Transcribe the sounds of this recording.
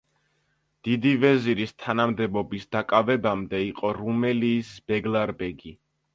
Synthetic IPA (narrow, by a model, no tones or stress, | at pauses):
d̪̥id̪ivɛziɾist̪ʰanamd̪ɛbɔbisd̪akʼavɛbamd̪ɛiqʼɔɾumɛliːsb̥ɛɡlˠaɾbɛɡi